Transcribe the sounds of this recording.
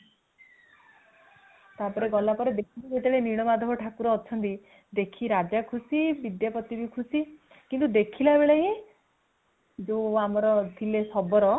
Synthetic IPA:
t̪apɔɾeɡɔlapɔɾed̪ekʰibibeʈeɭeniɽ̃ɔmad̪ʱɔɦɔʈʰakuɾɔːt͡ʃʰɔnt̪i | d̪ekʰiɾad͡ʒakʰusibid̪japɔt̪ibikʰusi | kint̪ud̪ekʰilabeɭeɦĩ | d͡ʒoamɔɾɔt̪ʰilesɔbɔɾɔ

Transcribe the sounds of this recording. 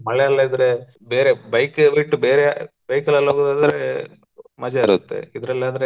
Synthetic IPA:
mɐɭɛɐlːɐid̪ɐɾe̞ | beːɾebɐjkbiʈːubeːɾe | b̥ɐjkɐlɐlːɦoːɡod̪aːd̪ɐɾe | mɐd͡ʒɐiɾut̪ːḛid̪ɐɾɐlːaːd̪ɐɾe

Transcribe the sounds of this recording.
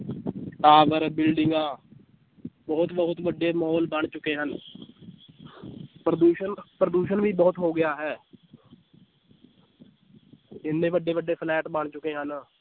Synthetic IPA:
ʈaːʋəɾbɪlɖɪŋɡãː | bəɦʊt̪bəɦʊt̪ʋəɖːeːmɔːlbəɳ̃t͡ʃʊkeːɦən | pɾəd̪uːʃənpɾəd̪uːʃənʋiːbəːʊt̪ɦoːɡɪjaːɦɛː | ɪnːẽːʋəɖːeːʋəɖːeːpʰlɛːʈbəɳt͡ʃʊkeːɦən

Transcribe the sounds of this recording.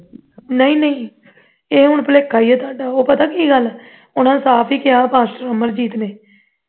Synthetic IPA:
nəĩːnəĩː | eːɦʊɳpəleːkʰːaːiːɛːt̪oaːɖaːoːpət̪aːkiːɡəl | ʊnãːnsaːpʰiːkɪjaːpãːsʈəɾəməɾd͡ʒiːt̪neː

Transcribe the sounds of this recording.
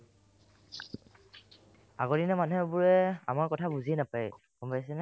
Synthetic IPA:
a̰ɡɔdinɛmanuɦɛbʊɹɛa̰maɹkɔtʰabuziɛnapaɹj | kɔmbajsɛnɛ

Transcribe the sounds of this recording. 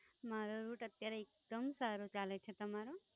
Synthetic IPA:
maɾoɾuːʈət̪jaɾeek̚d̪̥əmsaɾot͡ʃalet͡ʃʰet̪əmaɾo

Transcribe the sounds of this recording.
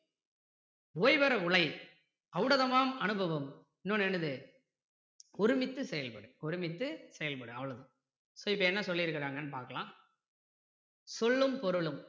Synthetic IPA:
oːjʋɐɾɐʊɭɐɪ | ɐʋɯɽɐðɐmaːmɐnɯbɐʋɯm | ɪnːonɛnɯðɯ | ʊɾɯmɪt̪ːɯsɛjɐlpɐɽɯɔɾɪmɪt̪ːɯsɛjɐlpɐɽɯ̃ɐʋːɐɭɐðɯ̃ | soɪpːɐɛnːɐsɔlːɪɪɾɯkːɪɾaːŋɡɐnːɯpaːɾkɐɭãː | sɔlːɯmpɔɾɯɭɯm

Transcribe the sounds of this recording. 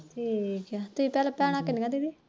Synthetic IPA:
tʰiːkat̪ʊsĩːpɛːlãpɛːɽ̃ãːkːɪnikãd̪iːd̪iː

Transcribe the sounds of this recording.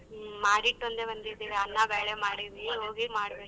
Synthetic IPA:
maːɽiʈːuɐnt̪ebɐnd̪id̪ːiːɾeɐnːɐbeːɭemaːɽiʋiɦoːɡimaːɽbeː

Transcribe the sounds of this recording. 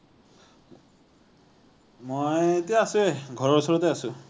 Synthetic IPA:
mojetijaːsueɡʱɔɹɔɹsɔɹɔteasʊ

